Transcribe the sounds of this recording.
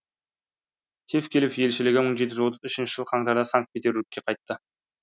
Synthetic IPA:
t̪ʰefkʲʰe̞lɪfje̞lʃɪlɪɡʲɪməɴʒet̪̬ɪʒwot̪əzʏʃɪnʃɪ̥ʒəlˠqʰɑŋt̪ɑɾd̪ɑsɑŋk̚t̪̚pʲet̪e̞ɾlɪk̚ʲkʲːe̞qʰɑjt̪ːə

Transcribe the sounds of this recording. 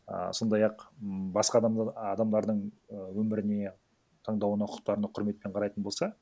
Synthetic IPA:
ə̰so̞nd̪ɑjɑqbɑsqɑd̪ɑd̪ɑmd̪ɑɾd̪əɴ | əwɵmɪɾɪne̞ | t̪ʰɑɴd̪ɑwənɑqʰʊ̥q̚t̪ɑɾənəqʰʊɾme̞t̪̚pe̞ɴqʰɑɾɑjt̪ənbolsɑ

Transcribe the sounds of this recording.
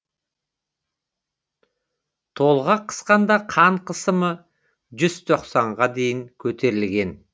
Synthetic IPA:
t̪ʰo̞lˠʁɑqʰə̥sqɑnd̪ɑqʰɑɴqʰəsəmə | ʒʏz̥t̪ʰo̞qsɑɴʁɑd̪e̞jɪŋkʲʰɵt̪ʰe̞ɾɪlɡʲe̞n

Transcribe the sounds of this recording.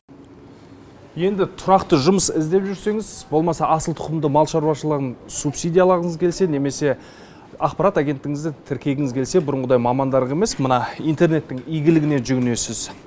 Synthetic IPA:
je̞nd̪ɪt̪ʰʊɾɑqt̪əʒʊməsɪzd̪e̞pʒʏɾse̞ŋɪzbo̞lˠmɑsɑʔɑsəlˠt̪ʰʊ̥qəmd̪əmɑlˠʃɑɾwɑʃəlˠəʁənsupsijd̪ijɑlˠɑɾəɴəzkʲʰe̞lse̞ne̞me̞se̞ | ɑqpɑɾat̪aɡʲe̞nt̪ːɪŋɪzd̪ɪt̪ʰɪɾkʲe̞ɡʲɪŋɪzkʲʰe̞lse̞bʊɾəɴʁəd̪ɑjmɑmɑnd̪ɑɾəʁe̞me̞smənɑijnt̪e̞ɾne̞t̪ːɪŋijɡʲɪlɪɡʲɪne̞ʒʏɡɪne̞sɪz

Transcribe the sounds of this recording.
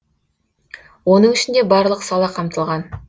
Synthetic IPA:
wonəɴɪʃɪnd̪e̞bɑɾlˠəqsɑlˠɑqʰɑmt̪əlˠʁɑn

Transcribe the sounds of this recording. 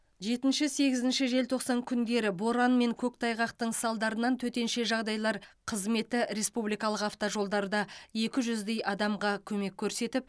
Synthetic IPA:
ʒe̞t̪ɪnʃɪse̞ɡʲɪzɪnʃɪʒe̞lt̪ʰo̞qsɑŋkʲʰʏnd̪e̞ɾɪbo̞ɾɑnme̞ŋkʲʰɵkt̪ʰɑjʁɑqt̪əɴsɑlˠd̪ɑɾənɑnt̪ʰɵt̪e̞nʃe̞ʒɑʁd̪ɑjlˠɑɾqʰəzme̞t̪ɪɾe̞spublijkɑlˠəqɑft̪oʒo̞lˠd̪ɑɾd̪ɑje̞kʲɪʒʏzd̪e̞jʔɑd̪ɑmʁɑkʲʰɵme̞kʲʰːɵɾse̞t̪ɪp̚

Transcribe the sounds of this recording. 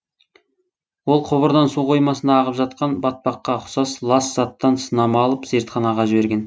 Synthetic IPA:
wo̞lˠqʰoβəɾd̪ɑnsuqʰo̞jmɑsənɑːʁəpʒɑt̪̚qɑnbɑt̪̚pɑqːɑqʰʊ̥sɑslˠɑsz̥ɑt̪ːɑnsənɑmɑɑlˠəpz̥eɾt̪χɑnɑʁɑʒɪbe̞ɾɡʲen

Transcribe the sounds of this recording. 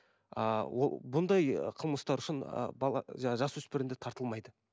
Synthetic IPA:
ə̰wo̰bʊnd̪ɑjqʰəlˠməst̪ɑɾʊʃɪnə̰bɑlˠɑ̰ʒɑɑʒɑswɵspɪɾɪnd̪ɪt̪ʰɑɾt̪əlˠmɑjd̪ə

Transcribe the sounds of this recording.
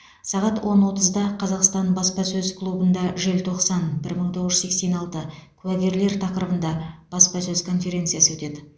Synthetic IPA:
sɑʁɑt̪wo̞nwo̞t̪əzd̪ɑqʰɑzɑqst̪ɑnbɑspɑsɵzkʰlˠubənd̪ɑʒelt̪ʰo̞qsɑnbɪɾməɴt̪ʰo̞ʁəʒə̥zekse̞nɑlˠt̪əkʲʰʉæɡʲe̞ɾle̞ɾt̪ʰɑqɾəbənd̪ɑb̥ɑspɑsɵzkʰo̞nfe̞ɾʲe̞nt̪sɨijɑsəwɵt̪e̞d̪ɪ

